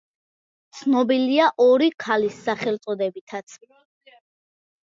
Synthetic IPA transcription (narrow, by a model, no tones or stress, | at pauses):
t̪sʰnɔbiliaʔɔɾikʰalisːaχɛlt̪sʼɔd̪ɛbit̪ʰat̪sʰ